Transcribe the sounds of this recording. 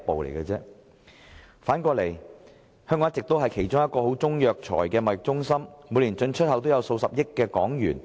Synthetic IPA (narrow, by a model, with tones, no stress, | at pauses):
po˨wlḛ˨˩jɡɐ˧t͡sɛː˥ | faː˨˥nkʷɔː˧le˨˩j | hœː˥ŋkɔ˨˦ŋ̚˥t͡sɪ˨k̚t̪o˥wɦɐ˨jkʰe˨˩jt͡ʃʊ˥ŋjɐ˥t̚kɔː˧ɦo˨˥wt͡sʊ˥ŋjœː˨k̚t͡ʃʰɔ̰ː˨˩jkɛː˧mɐ˨˩jɪ˨˩t͡sʊ˥ŋsɐ˥mmuː˨˧jliː˨˩nt͡ʃɵ˧nt͡ʃʰɵ˥t̚ɦɐ˨˥wt̪o˥wjɐ˨˧wso˧wsɐ˨p̚jɪ˥kːɛː˧kɔː˨˥ŋjy̰ː˨˩n